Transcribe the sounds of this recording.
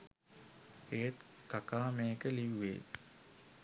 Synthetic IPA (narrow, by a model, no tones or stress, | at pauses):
ejət̪kakaːmejəkəliʋːḛː